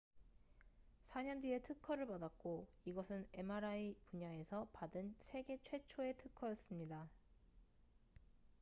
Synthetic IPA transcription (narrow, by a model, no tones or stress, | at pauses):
sʰaɲʌndɥie̞tʰɯkʰʌɾɯɭpadak̚k͈o | iɡʌsʰɯne̞maɾaipuɲae̞sʰʌpadɯnsʰe̞ɡe̞t͡ɕʰwe̞t͡ɕʰoe̞tʰɯkʰʌjʌs͈ɯmɲida